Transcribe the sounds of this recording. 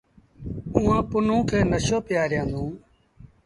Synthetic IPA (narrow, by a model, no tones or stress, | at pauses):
ũːãːpʊnũːkʰeːnəʃoːpɪjaːɾjãːnd̪ũː